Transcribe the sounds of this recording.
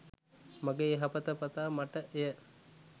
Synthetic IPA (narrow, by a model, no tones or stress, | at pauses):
maɡeɦapət̪əpɐt̪aːmaʈəʔejə